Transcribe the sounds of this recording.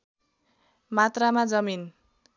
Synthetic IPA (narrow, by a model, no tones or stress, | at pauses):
mat̪ramad͡zʌmin